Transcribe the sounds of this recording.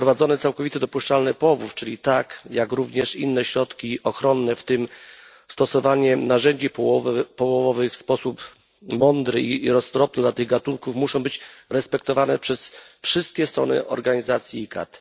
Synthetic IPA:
pɾɔvad̪zɔnɛt̪sawkɔvit̪ɛd̪ɔpuʂt͡ʂalnɛpɔvuft͡ʂɘlʲit̪akjakɾuvɲɛʂḭnːɛɕɾɔt̪kʲiɔxɾɔnːɛft̪ɘm | st̪ɔsɔvaɲɛnaʐɛɲd͡ʑipɔɔvpɔwɔvɔvɘxfspɔsup | mɔnd̪ɾɘiɾɔst̪ɾɔp̚nɛd̪lat̪ɘɣɡat̪uŋkufmuʂɔ̃w̃bɘt͡ɕɾɛspɛk̚t̪ɔvanɛpʂɛsfʂɘst̪̚kʲɛst̪ɾɔ̰nɘ̰ʔɔ̰ɾɡaɲizat̪sʲjiːka̰t̪

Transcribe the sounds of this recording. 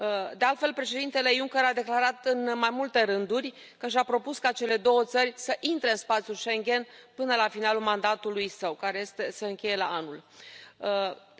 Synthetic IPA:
d̪e̞alt̪fe̞lpɾe̞ʃe̞d̪int̪e̞le̞juŋkʲeɾad̪e̞klaɾat̪ɨnmajmult̪e̞ɾɨnd̪urʲ | kəʃ̬apɾo̞puskat͡ʃe̞le̞d̪o̞wət̪sərʲsəʔint̪ɾe̞ɨnspat̪sjuʃe̞ŋɡʲe̞npɨnəlafinalulmand̪at̪ulujsəwkaɾe̞je̞st̪e̞se̞ɨŋkʲe̞je̞laanul

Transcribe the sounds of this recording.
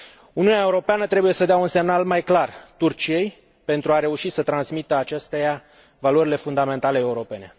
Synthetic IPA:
uniuneae̞uɾo̞peanət̪ɾe̞buje̞səd̪eaunse̞mnalmajklart̪urt͡ʃijej | pe̞nt̪ɾuaɾe̞uʃisət̪ɾansmit̪əat͡ʃest̪eja | valoɾile̞fund̪ame̞nt̪ale̞euɾo̞pe̞ne̞

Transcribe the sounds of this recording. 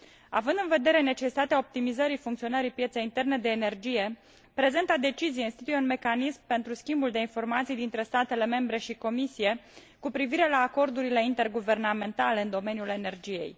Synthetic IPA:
a̰vɨnd̪ɨnve̞d̪e̞ɾe̞ne̞t͡ʃe̞si̥t̪at̪eao̞p̚t̪imizəɾifuŋkt̪sio̞nəɾipjet̪se̞jint̪e̞rne̞d̪e̞ːne̞rd͡ʒije̞ | pɾe̞zent̪ad̪e̞t͡ʃizijinst̪it̪ujeunme̞kanismpe̞nt̪ɾuskʲimbuld̪e̞info̞rmat̪sijd̪int̪ɾe̞st̪at̪e̞le̞me̞mbɾe̞ʃiko̞misije̞ | kupɾiviɾe̞laːko̞rd̪uɾile̞int̪e̞rɡuve̞rname̞nt̪ale̞ɨnd̪o̞me̞njule̞ne̞rd͡ʒije̞̰j

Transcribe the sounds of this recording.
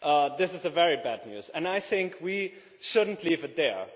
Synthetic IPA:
ʔʌðɪsɨzɨvɛɹibædⁿnjʉ̰z̥ɨ̃naɪθɪ̃ŋkʰwi | ʃʊdⁿn̩tʰlivɨt̪̚ðə˞

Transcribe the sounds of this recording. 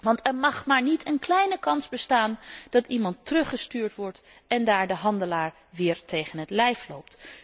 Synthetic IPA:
ʋɑntɛɹmɑχmaːɹnitʰənklɛjnəkɑnzbəstaːnd̥ɑtimɑntərɵχəstyːɹtʋɔɹt | ɛndaːɹdəɦɑndəlaːɹ | ʋɪːɹtejχənɦətlɛjflo̰wp̚t

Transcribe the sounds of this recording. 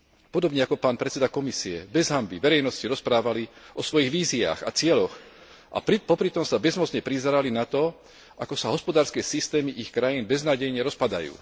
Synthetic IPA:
pɔd̪ɔbɲɛakɔpaːnpɾɛt̪t͡sɛd̪akɔmisiɛ̰bɛzɦambiʋɛɾɛjnɔsciɾɔspɾaːʋaliʔɔsʋɔjiɣʋiːzia̰ːɣa̰t͡sɪɛlɔx | ʔa̰pɾipɔpɾit̪ɔmsabɛzmɔt͡sɲɛpɾizɛɾalinat̪ɔ | ʔakɔsaɦɔspɔd̪aːɾskɛːsist̪ɛːmiʔixkɾajiːnbɛznaːɟɛjɲɛɾɔspad̪a̰jṵː

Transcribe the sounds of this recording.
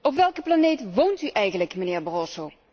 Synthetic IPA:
ɔpʋɛlˠkəplanejtʋowntyʔɛjɣənləkmənɪːɹbarɔsow

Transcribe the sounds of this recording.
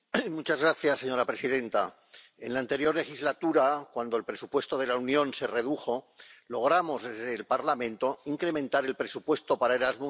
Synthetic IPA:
mut͡ʃazɣɾaθjasːe̞ɲo̞ɾapɾe̞siðẽ̞nt̪a | e̞nlaːnt̪e̞ɾjo̞ɾle̞xizlat̪uɾakwand̪o̞elpɾe̞supwe̞st̪o̞ð̞e̞launjõ̞nse̞re̞ðuxo̞ | lo̞ɣ̞ɾamo̞zðe̞zðeːlpaɾlamẽnt̪o̞iŋkɾe̞mẽnt̪aɾe̞lpɾe̞supwe̞st̪o̞paɾaeɾazmo

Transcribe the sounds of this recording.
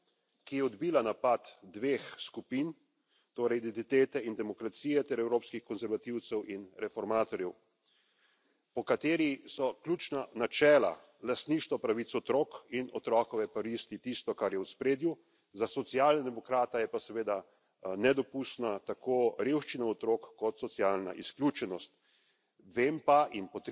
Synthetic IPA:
kijɛɔd̪biːlanapat̪d̪ʋeːxskupin | t̪oːɾɛjid̪ɛnt̪it̪eːt̪ɛind̪ɛmɔkɾat̪siːjɛt̪ɛɾɛwɾoːpskixkɔnzɛɾʋat̪iwt̪sɛwʔinɾɛfɔɾmaːt̪ɔɾjɛw | pɔkat̪eːɾisɔkljuːt͡ʃnanat͡ʃɛːla̰ | last̪niʃt̪ɔpɾaʋit̪sɔt̪ɾoːkinɔt̪ɾɔkɔʋɛpaɾist̪it̪ist̪ɔkaɾjɛwspɾeːd̪ju | zasɔt̪sijaːlnad̪ɛmɔkɾaːt̪ajɛpasɛʋeːd̪a | nɛd̪ɔpust̪nat̪akʰoɾewʃt͡ʃinaɔt̪ɾoːkːɔt̪sɔt̪sjaːlna̰ʔḭsklʲjuːt͡ʃɛnɔst̪ | ʋeːmpainpɔt̪

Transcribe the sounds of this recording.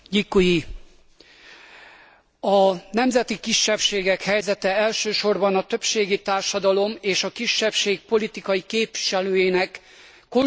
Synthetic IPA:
ɟikːoji | ɒnɛmzɛt̪ikiʃːɛpʃeːɡɛkhɛjzɛt̪ɛɛlʃøːʃo̞rbɒnɒt̪ø̞pʃeːɡit̪aːrʃɒd̪ɒlo̞meːʃɒkiʃːɛpʃeːk̚po̞lit̪ikɒjikeːpʋi̥ʃɛløːjeːnɛkː | o

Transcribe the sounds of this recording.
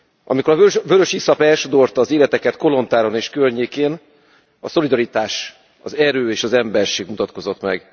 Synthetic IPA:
ʔɒ̰miko̞ɾɒøvøɾøʃisɒpɛlʃod̪o̞rt̪ɒːzeːlɛt̪ɛkɛt̪ko̞lo̞nt̪aːɾo̞neːʃkørɲeːkeːn | ɒso̞lid̪ɒɾit̪aːʃ | ɒ̰zɛɾøːeːʃɒzɛmbɛrʃeːɡmut̪ɒt̪ko̞zo̞t̪mɛ̰ɡ

